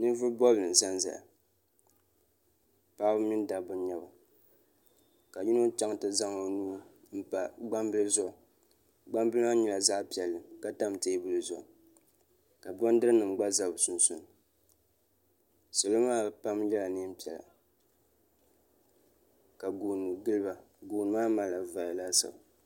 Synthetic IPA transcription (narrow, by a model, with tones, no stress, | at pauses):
nɨ˦vʊ˦ɾbɔ˦bɨ˨n˨za˦nza̰˨a̰˨ | paː˦bʊ˦mi˦da˨bʊ˦ɲa˦ba˨ | ka˨ji˦no˦t͡ʃa˦ŋtɨ˦za˦ŋo˨nuː˦ | m̩˦pa˨ɡ͡ba˦mbɨ˦lɨ˦zɔ˦˨ | ɡ͡ba˦mbɨ˦lɨ˦a˦ɲɛ˨la˨zaː˦pi˨ɛ˨lːɨ˨ka˦ta˦m˨te˦bʊ˦˨lɨ˨zɔ̰˨ʔ | ka˨bɔ˦n˦dɨ˦ɾɨ˦nɨ˨m˨ɡ͡ba˦za˨bsʊ˨nsʊ˨n˨ | so˨lo˦maː˦pa˦mjɛ˦la˨nɨ˦pi˨ɛ˨la̰˨ | ka˨ɡuː˨nɨ˨ɡɨ˦lɨ˦ba˨ | ɡuː˨nɨ˨maː˦ma˨la˨va˨la˦sa̰˨ba˨